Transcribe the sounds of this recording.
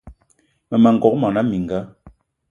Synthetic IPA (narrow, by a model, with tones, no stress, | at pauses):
mɛ˨ma˨ŋ̩˨ɡɔ˨˦k̚mɔ˨na˦mi˨ŋ˨ɡa˦